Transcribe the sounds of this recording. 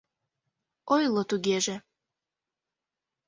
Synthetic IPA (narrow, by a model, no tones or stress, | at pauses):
ojlˠot̪uɣeʒe